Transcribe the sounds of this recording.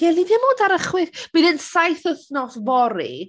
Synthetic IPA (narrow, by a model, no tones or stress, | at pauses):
ɡ̥ɛlˠiðjamoːdaɾəχwɪθb̥inənsajθəθnɔsvɔɾḭ